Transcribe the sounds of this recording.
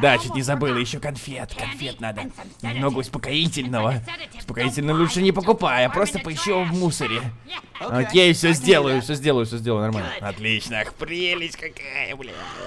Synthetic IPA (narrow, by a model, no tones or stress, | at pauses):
d̪at͡ɕut̪ʲnʲɪzɐbɨlˠəjɪɕːokɐnfʲet̪kɐnfʲe̞t̪nad̪ə | mno̞ɡəʊspəkɐitʲɪlʲnəvəʊ̥spəkɐitʲɪlʲnəlʲuʂənʲɪpəkʊpajapɾo̞st̪əpəɪɕːiəvmusəɾʲɪ | ok̪ʲjejɪfsʲozʲdʲe̞lˠəjʊfsʲozʲdʲelˠəjʊfsʲozʲdʲlˠəʊnɐrmalʲnəɐt̪lʲit͡ɕnəxpɾʲilʲɪt͡ɕʲkakajə̰blʲḛ